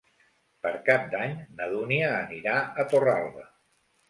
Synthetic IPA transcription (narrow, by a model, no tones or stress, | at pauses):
pəɾkap̚d̪aɲnəðuniəːniɾaət̪ora̰lˠβə